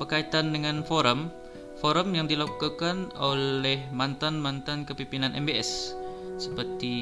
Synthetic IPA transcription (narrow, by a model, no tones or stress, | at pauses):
bərkait̪andəŋanfoɾəm | foɾəmjaŋdilokukanolɛhmant̪anmant̪ankəpimpinanʔɛ̰mbeɛssəpərt̪i